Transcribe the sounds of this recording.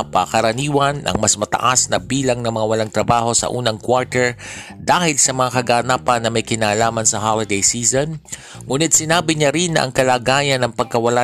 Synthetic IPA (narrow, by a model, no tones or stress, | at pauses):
pɐkɐɾɐniːwɐnʔɐ̰ŋmɐsmɐt̪ɐ̰ʔasnɐbiːlɐŋnɐmɐŋawɐlaŋt̪ɾɐbaːɦo̞sɐ̰ʔuːnɐŋkwaɹt̪ɛɹd̪aːhɪlsɐmɐŋakɐɡaːnaːpɐnːɐmɐjkɪnaːlaːmɐnsɐɦalɪd̪ejsiːzon | ŋuːnɪt̪̚sɪnaːbɪɲaɾinːɐʔɐ̰ŋkɐlaːɡaːjɐnɐŋpɐɡ̚kɐwɐla